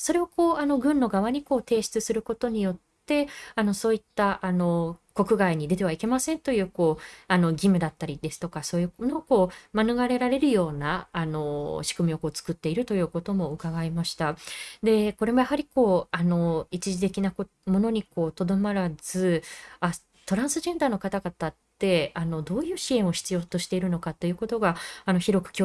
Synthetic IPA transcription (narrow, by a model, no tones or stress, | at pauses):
so̞ɾe̞oko̞ːano̞ɡɯ̟̃nːo̞ɡaβaɲ̟iko̞ːt̪e̞ːɕi̥t͡sɨsɨɾɯ̟ko̞t̪o̞ɲ̟ijo̞t̪ːe̞ano̞so̞ːit̪ːaʔano̞ko̞kɯ̟ɡaiɲ̟id̪e̞t̪e̞β̞aike̞masẽnt̪o̞jɯ̟ːko̞ːano̞ɡʲimɯ̟d̪at̪ːaɾʲid̪e̞sɨ̥t̪o̞kaso̞ːjɯ̟kno̞ko̞ːmanɯ̟ɡaɾe̞ɾaɾe̞ɾɯ̟jo̞ːnaːno̞ɕi̥kɯ̟mʲio̞ko̞ːt͡sɨ̥kɯ̟t̪ːe̞iɾɯ̟t̪o̞jɯ̟ːko̞t̪o̞mo̞ɯ̟kaɡaimaɕi̥t̪ad̪e̞ko̞ɾe̞mo̞jahaɾʲiko̞ːano̞it͡ɕiʑit̪e̞kʲinako | mo̞no̞ɲ̟iko̞ːt̪o̞d̪o̞maɾaz̥ɨa | t̪o̞ɾãɰ̃sɨʑẽ̞nd̪aːno̞kat̪aɡat̪at̪ːe̞ano̞d̪o̞ːjɯ̟ːɕiẽ̞ɰ̃o̞çʲi̥t͡sɨjoːt̪o̞ɕi̥t̪e̞iɾɯ̟no̞kat̪ːo̞jɯ̟ko̞t̪o̞ɡaano̞çiɾo̞kɯ̟̥kʲo